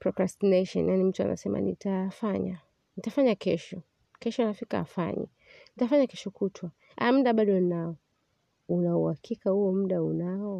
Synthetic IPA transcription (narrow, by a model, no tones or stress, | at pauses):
pɾɔkɾastineʃɔ̰njanim̩tua̰nʔa̰sɛma̰nḭtafaɲa̰ | nitafaɲakɛʃɔ | kɛʃɔnafika̰ːa̰fa̰ɲɛ̰ | nitafaɲakɛʃɔkutʰwa | a̰m̩ɗaɓaɗɔnaɔ | unauhakʰikahuɔm̩ɗaunaɔ